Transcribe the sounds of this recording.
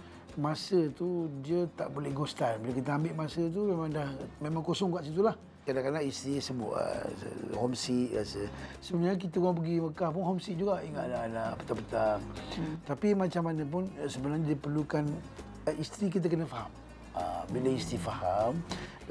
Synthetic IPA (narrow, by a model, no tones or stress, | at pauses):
masət̪udiət̪aʔbolɛhɡost̪anbiləkit̪̬əambɪʔmasət̪̬umemãŋdahmemãŋkosɔŋkaʔsit̪̬ulah | kadakanaʔist̪ɾisəbʊ̰ʔə̰hɔmsiʔa̰səsəbənaɲak̬it̪əwaŋp̬əɡiməkahp̬ʊnɦɔmsiʔ̚d͡ʒuɡaʔiŋaʔlanapə̥t̪apət̪aŋt̪apimat͡ʃamanəp̬ʊnsəbənarɲadipərlukan | ʔist̪ɾikit̪̬əkənəfaɦam | a̰biləist̪ɾifaham